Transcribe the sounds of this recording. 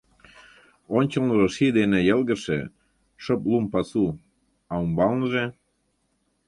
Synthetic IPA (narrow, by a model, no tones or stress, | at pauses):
onʲt͡ɕəlnəʒeʃid̪enĕjəlɣə̆ʃḛ | ʃəplumpɑsu | ɑumbɑlnəʒe